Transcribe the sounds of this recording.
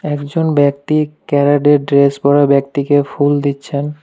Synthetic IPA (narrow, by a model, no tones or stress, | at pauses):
ɛkd͡ʑonbɛk̚t̪ikɛɾaɖeɾɖɾesbɔɾabɛk̚t̪ikefuld̪itːɕʰen